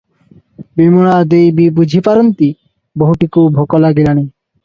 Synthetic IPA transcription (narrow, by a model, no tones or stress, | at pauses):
bimoɽ̃ad̪ejbibud͡ʑʱipaɾont̪i | boɦuʈikubʱokɔlaɡilañi